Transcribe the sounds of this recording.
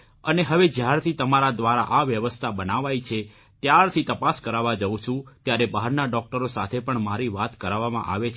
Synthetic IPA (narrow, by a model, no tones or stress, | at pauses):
əneɦəʋed͡ʒjaɾt̪ʰit̪əmaɾad̪ʋaɾa̰ʔaʋjəʋəst̪ʰabənaʋait͡ʃʰe | t̪jaɾt̪ʰit̪əpaskəɾaʋad͡ʒəũt͡ʃʰũt̪jaɾebaɦaɾnaɖɔk̚ʈəɾosat̪ʰepəɳmaɾiʋat̪kəɾaʋamã̰ʔa̰ʋet͡ʃʰ